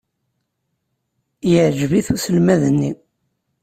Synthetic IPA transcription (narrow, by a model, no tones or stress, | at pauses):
jəʕd͡ʒviθusəlmæðənːi